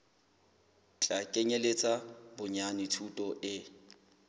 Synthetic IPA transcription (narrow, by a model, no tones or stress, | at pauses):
t͡ɬʼakʼeɲelet͡sʼabʊɲanɪtʰutʼɔʔɪ